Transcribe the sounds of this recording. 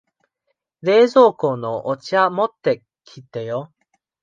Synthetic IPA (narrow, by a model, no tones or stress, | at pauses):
ɾe̞ːzo̞ːko̞noʔot͡ɕiamot̪ːe̞ | kʲʰit̪ːe̞jo